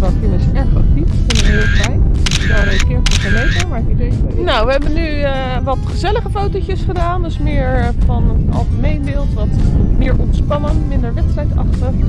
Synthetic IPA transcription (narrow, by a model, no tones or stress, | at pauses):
bakɪnəsɛɹtɔ̰fitɪnəɪːlˠɛjnɛlˠreskɪːɹfɔvəlejtəmaɹkiteonawʋəɦɛbəny | ʋɑtχəzɛləχəfowtocəsχədaːndøsmɪːɹfɑnɑ̰lˠχəmejnbɪːlˠtʋɑtmɪːɹʔɔpspɑnənmɪndəɹʋɛtstrɛjtɑ̰χtəχ